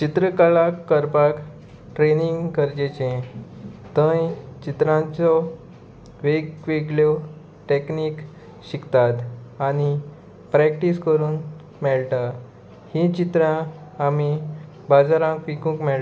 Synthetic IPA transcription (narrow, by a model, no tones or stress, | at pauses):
t͡ɕit̪ɾəkaɭakːəɾpak | ʈɾeniŋɡkəɾd͡ʑet͡ɕẽ | t̪ə̃jt͡ɕit̪ɾãt͡sɔ | ʋekʋeɡljɔ | ʈekniːk | ɕikt̪at̪añi | pɾɛk̚ʈiskəɾuːn | mɛɭʈa | hĩt͡ɕit̪ɾãami | bad͡zaɾãkʋikũːkmɛɭ